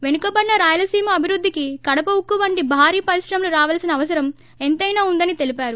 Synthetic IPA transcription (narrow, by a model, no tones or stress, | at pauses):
ʋe̞nukɐːbɐnːɐɾaːjɐlɐsiːmɐːbʱiɾud̪ʱːikikɐɽɐpɐwukːuʋɐɳɖibʱaːɾiːpɐɾiʂɾɐmluɾaːʋɐːlsinɐːʋɐs̬ɐɾɐm | ent̪ɐjnaːund̪ɐnit̪e̞lipaːɾu